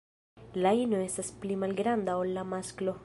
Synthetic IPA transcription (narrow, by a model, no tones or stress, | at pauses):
lainoest̪asplimalɡɾand̪aolːamasklo